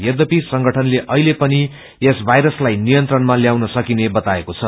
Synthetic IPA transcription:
jʌd̪ʌpisʌŋɡʌʈʰʌnleʔʌɦilepʌni | esbʱajɾʌslajnijʌnt̪rʌnmaljawnʌsʌkinebʌt̪aekot͡sʰʌ

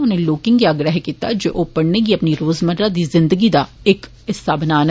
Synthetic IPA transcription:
ʊnẽːloːkɪ̃ŋɡiaːɡɾəɦkiːt̪a̰ːd͡ʒeːʔoːpəɽneːɡiəpniːɾoːzməɾɾãːd̪iːzɪ̃nd̪əɡiːd̪aːɪk | ɪsːaːbənaːn

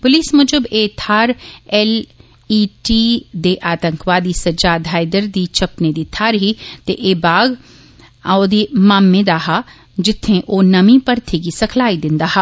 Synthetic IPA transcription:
pʊliːsmʊd͡ʒʊbeːt̪ʰaːɾɛl | iːʈid̪eːʔaːt̪ə̃ŋkʋaːd̪isɐd͡ʒaːd̪ʱaːjd̪əɾd̪it͡ʃʰɐpned̪it̪ʰaːɾɦit̪eʔeːbaːɡ | aod̪iːmaːmːẽd̪aːɦa | d͡ʒɪt̪ʰːẽʔoːnɐmĩpɐɾt̪ʰikisɐkʰlaːid̪ɪ̃nd̪aːɦa

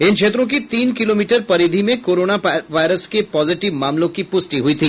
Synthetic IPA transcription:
ɪnkʰʃʰeːt̪ɾõk̬it̪iːnkɪloːmiːʈəɾpɐɾiːd̪ʱimẽkoːɾoːnaʋaːɪɾəskepɔːzɪʈɪʋmaːmlõkipʊsʈiɦʊit̪ʰiː

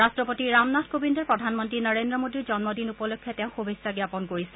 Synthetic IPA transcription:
ɹastɹɔpotiɹamnatʰkobindɔɹpɹɔdʱanmɔntɹinəɹendɹɔmodiɹzɔnmɔdinupɔlokʰːɛteʊ̃xubʱesaɡjapɔnkoɹisɛ

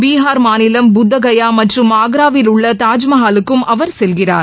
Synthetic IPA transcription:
biːɦaːɾmaːnɪlɐmbʊd̪ːɐɣɐjaːmɐʈrɯmaːɡɾaːʋɪlʊɭːɐt̪aːd͡ʒmɐɦaːlɯkːɯmʔɐʋɐɾsɛlɣɪra̰ːɾ

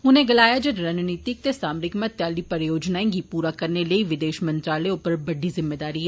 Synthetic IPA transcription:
ʊnẽːɡəlaːjaːd͡ʒəɖɾənniːt̪ɪk̚t̪eːsaːmɾɪkmət̪jaːliːpəɾjoːd͡ʒnaːẽːŋɡiːpuːɾaːkəɾneːləiːʋɪd̪eːʃmə̃nt̪ɾaːleʊpəɾbəɖiːzɪmːeːd̪aːɾiːɛː

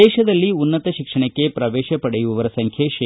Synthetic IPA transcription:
ɛːʃɐd̪ɐlːiunːɐt̪ɐʃikʂɐɳɐkːe̞pɾɐʋeːʃɐpɐɽejuʋuʋɐɾɐsɐŋkʰjɐʃ

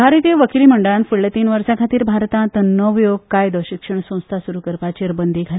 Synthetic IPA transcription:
bʱaɾt̪ijeʋəkiliməɳɖəɭanfuɽlet̪iːnʋəɾsãkʰat̪iːɾbʱaɾt̪ãt̪nəʋjoɡ̚kajd̪əʋɕikʂəɳsə̃w̃st̪ʰasuɾukəɾpat͡ɕiɾbənd̪ʱiɡʱal

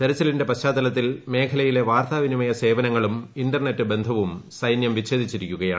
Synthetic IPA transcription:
t̪eɾɐt͡ɕːɐlinde̞pɐɕaːd̪ːɐlɐt̪ːilme̞ːkʰɐlɐjile̞ʋaːrt̪ʰaʋinimɐjɐse̞ːbɐnɐŋːɐɭuminɖɐrnetːɨbe̞nd̪ʱɐʋumsɐjnjɐmʋiɕe̞ːd̪ʱit͡ɕːiɾikʲːuɣɐjaː

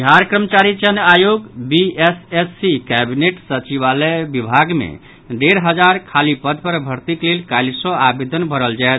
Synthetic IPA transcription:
bɦaɾkɾəmət͡ʃaɾit͡ʃənajoɡbiesesːikɛbineʈsət͡ʃiβalɛbibʱaɡmḛ | ɖeɾɦəd͡ʒaɾkʰalipəd̪ʱpəɾbʱəɾt̪iklelkajlsɔabed̪ʱənbʱəɾəld͡ʒaet̪

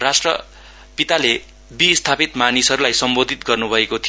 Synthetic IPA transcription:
rasʈrʌ | pit̪ale | bist̪ʰapit̪manisɦʌɾulajsʌmbod̪ʱit̪ɡʌrnubʱʌekot̪ʰi

